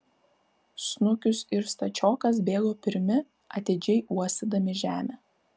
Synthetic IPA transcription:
snʊkʲʊsɪɾst̪ɐt͡ʃʲɔːkɐsbʲeːɡoːpʲɪɾʲmʲɪ | ɐt̪ʲeːd͡ʒʲɛɪʔuɔst̪ʲɪd̪ɐmʲɪʒʲæːmʲeː

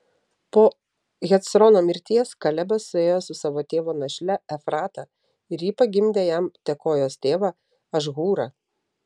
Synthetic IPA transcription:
poː | ɣʲɛt̪sɾɔnoːmʲɪɾʲt̪ʲiɛskɐlʲɛbɐsːʊeːjoːsʊsɑːʋoːt̪ʲeːʋoːnɐʃʲlʲɛɛfɾɑːt̪ɑ | ɪɾjiːpɐɡʲɪmʲd̪ʲeːjæmt̪ʲɛkoːjoːst̪ʲeːʋɑ | ɐʒɣuːɾɐ

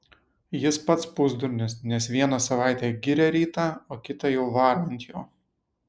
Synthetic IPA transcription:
jɪspɐt̪spʊzd̪ʊɾʲnʲɪsnʲɛsʋʲiɛnɑsɐʋɑˑɪt̪ʲɛːɡʲɪɾʲɛɾʲiːt̪ɑoːkʲɪt̪ɑjɛʊʋɑːɾɐnʲt̪joː

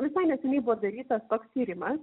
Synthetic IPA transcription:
ʋʲɪsɐɪnʲɛsʲɛnʲɛɪbʊʋoːd̪ɐɾʲiːt̪ɐst̪oːkst̪ʲiːɾʲɪmɐs

